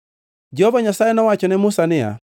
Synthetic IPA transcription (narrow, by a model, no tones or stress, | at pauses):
d͡ʒɛhovaɲasajɛnɔwat͡ʃɔnɛmʊsanɪa̰